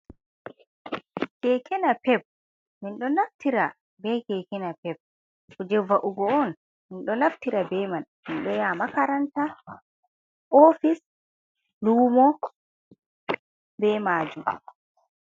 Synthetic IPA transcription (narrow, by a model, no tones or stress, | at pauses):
kɛkɛnapɛp̚ | minɗɔnaftiɾa | bɛkɛkɛnapɛb̚ | ɔd͡ʒɛvaʔuɡɔɔn | minɗɔlaftiɾabɛmanminɗɔjaːmakaɾanta | ʔofis | luːmɔ | bɛmaːd͡ʒum